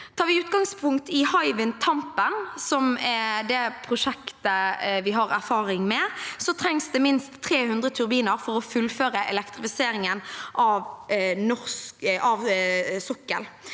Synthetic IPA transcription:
t̪ʰɑːʋɪʉːt̪ɡɑŋspʰʊŋkt̪ɪhɑɪʋɪnt̪ʰɑmpənsɔmd̪ɛpʰʁʊʂɛkt̪əʋɪɦɑʁæʁfɑːʁɪŋmɛsɔt̪ʰɾɛŋsd̪ɛmɪnst̪ʰːɾeːhʉnd̪ʁət̪ʰʉʁbiːnəɾfɔɾɔfʉlføːʁəʔɛ̰lɛkt̪ɾɪfɪseːɾɪŋənʔɑʋnɔʁskɑʋsɔkːə̰l

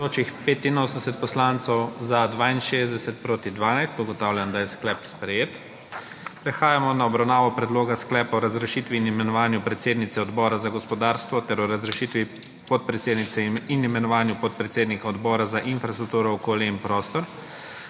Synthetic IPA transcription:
d̪oːt͡ʃixpeːt̪inoːsənd̪ɛsɛt̪̚pɔslant̪sɔwzad̪ʋaːinʃeːzd̪ɛsɛt̪̚pɾoːt̪id̪ʋaːnajst̪uɡɔt̪awljand̪ajɛsklɛpspɾɛjeːt̪ | pɾɛxaːjamɔnaɔbɾawnaːʋɔpɾɛd̪loːɡasklɛːpaɔɾazɾɛʃiːt̪ʋiːnimɛnɔʋaːnjupɾɛt̪seːd̪nit̪sɛɔd̪bɔːɾazaɡɔspɔd̪aːɾst̪ʋɔt̪ɛɾɔɾazɾɛʃit̪ʋi | pɔt̪̚pɾɛt̪seːd̪nit̪sɛinimɛnɔʋaːnjupɔt̪̚pɾɛt̪seːd̪nikaɔd̪bɔːɾazaʔinfɾast̪ɾuk̚t̪uːɾɔɔkoːljainpɾoːst̪ɔɾ

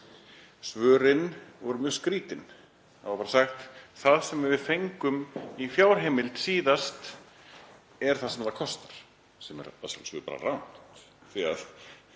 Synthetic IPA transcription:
svœːɾɪnvɔɾʏmjœːɣskɾiːt̪ɪn | aaɾpaːɾasaxt̪θaðsɛmɛɾvɪðθejŋkʏmifjawɾ̥ɦeːmɪlt̪siːðast̪ | ɛɾ̥θaðsɛmaɾðakʰɔst̪aɾ̥ | sɛmɛ̰ɾa̰sa̰lsvʏ̰pa̰ɾa̰rawnθia̰ð

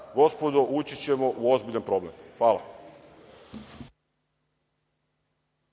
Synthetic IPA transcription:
ɡo̞spo̞d̪o̞ʔut͡ɕit͡ɕe̞mo̞ʔuo̞zbiʎanpɾo̞ːblemxʋaːla̰

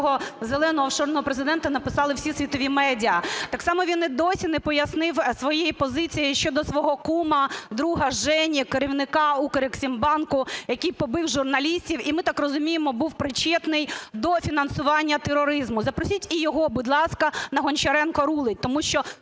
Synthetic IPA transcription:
ɦɔzelˠɛnɔɦɔwʃɔrnɔɦɔpɾezɪd̪ɛnt̪ɐnɐpɪsɑlˠɪwsʲisʲʋʲit̪ɔʋʲimɛdʲiɐt̪ɑksɑmɔʋʲinɛd̪ɔsʲinɛpɔjɐsnɪwsʋɔjejipɔzɪt͡sʲijɪʃt͡ʃɔd̪ɔsʋɔɦɔkumɐd̪ɾuɦɐʒɛnʲikeɾʲiwnɪkɑukɐɾɪksʲimbɑnkʊjɐkʲijpɔbɪwʒʊrnɐlʲisʲtʲiwimɪt̪ɑkrɔzʊmʲijɪmɔbuwpɾɪt͡ʃɛt̪nɪjd̪ɔfʲinɐn̪sʊʋɑnʲːɐt̪eɾɔɾɪzmʊzɐpɾɔsʲitʲijɔɦɔbud̪lˠɑskɐnɐɦɔnʲt͡ʃɐɾɛnkɔɾulˠɪt̚ʲt̪ɔmuʃt͡ʃɔ

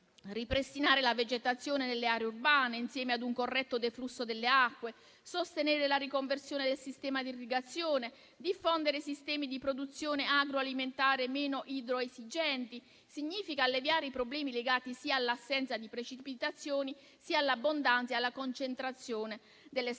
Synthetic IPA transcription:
ripɾest̪inaːɾelaved͡ʒet̪at̪sːjoːnenelːeaːɾeurbaːneinsjɛːmead̪uŋkorːɛt̪ːod̪eflusːod̪elːeakːwe | sost̪enɛːɾelaɾikoɱversjoːned̪elsist̪ɛːmad̪irːiɡat̪sːjoːne | d̪ifːond̪eɾesist̪ɛːmid̪ipɾod̪ut̪sːjoːneaɡɾoaliment̪aːɾemɛːnoʔid̪ɾoezid͡ʒɛnt̪i | siɲːiːfikaːlːevjaːɾeipɾoblɛːmileɡaːt̪isiːaːlːasːɛnt̪sad̪ipɾet͡ʃipit̪at̪sːjoːni | sialːabːond̪ant̪sjalːakont͡ʃent̪ɾat̪sːjoːne | d̪elːe

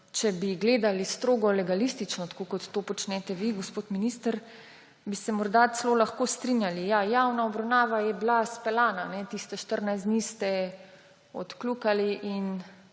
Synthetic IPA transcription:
t͡ʃɛbiɡleːd̪alist̪ɾoːɡɔlɛɡalist̪it͡ʃnɔt̪ḁkoːkɔt̪ːoːpɔt͡ʃnɛt̪ɛʋiɡospoːt̪miniːst̪əɾ | bisɛmɔɾd̪at̪sloːlaxkoːst̪ɾinjalijajawnaɔbɾawnaːʋajɛblaspɛlaːnanɛt̪ist̪ɛʃt̪əɾnajsd̪nist̪ɛ | ɔ̰t̪klukaliʔin

